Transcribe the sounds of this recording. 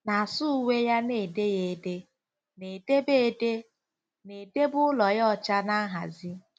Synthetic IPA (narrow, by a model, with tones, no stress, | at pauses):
na˨a˨sʊ˦we˦ja˦ne˨de˦je˨de˦ | ne˨de˦be˦˨de˦ | ne˨de˦bʊ˦ʊ˦lɔ˨jɔ˦˨t͡ʃa˦na˦ɦa̰˨zi˦